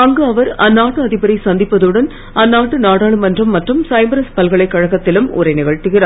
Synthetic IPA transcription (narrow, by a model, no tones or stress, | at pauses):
ɐŋɡɯɐʋɐɾɐnːaːʈːɯɐðɪbɐɾɐɪsɐnd̪ɪpːɐðɯɽɐn | ɐnːaːʈːɯnaːɽaːɭɯmɐndrɐmːɐʈrɯmsɐɪmbɐɾɐspɐlɣɐɭɐɪkːɐɻɐɣɐt̪ːɪlɯmʊ̰ɾɐɪnɪɣɐɻt̪ɪɣɪɾaːɾ